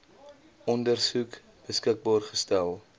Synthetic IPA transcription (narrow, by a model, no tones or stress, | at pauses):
ɔndərsuk | b̥əskək̚bɑːrχəstælˠ